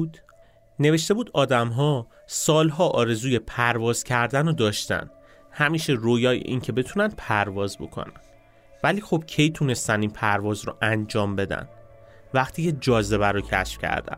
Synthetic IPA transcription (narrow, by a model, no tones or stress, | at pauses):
d̪ | ne̞ve̞ʃt̪e̞buːd̪ɒːd̪æmɦɒː | sɒːlɦɒːʔɒːɾe̞zuːje̞pʰæɾvɒːz̥cʰæɾd̪ænod̪ɒːʃt̪æ̰n | hæmiːʃe̞ɾoːjɒːjḛʔiːncʰe̞be̞t̪ʰuːnænd̪̥̚pʰæɾvɒːzbo̞̰kʰo̰næn | væliːxo̞b̥̚cʰe̞jt̪ʰune̞st̪ænd̪inpʰæɾvɒːzɾɔ̰ʔænd͡ʒɒːmbe̞d̪æ̰n | væχt̪ʰiːcʰe̞d͡ʒɒːze̞βæɾocʰæ̰ʃfcʰæ̰ɾd̪æ̰n